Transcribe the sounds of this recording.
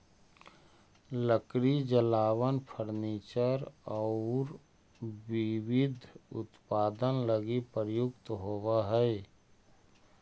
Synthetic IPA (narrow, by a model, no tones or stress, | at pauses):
ləkɾid͡ʒəlaːwənpʰəɾniːt͡ʃəɾɔʊːɾ | ʋɪʋɪd̪ʱʊ̰t̪paːd̪ənləɡipəɾjʊkt̪ɦoːwaɦɛɛ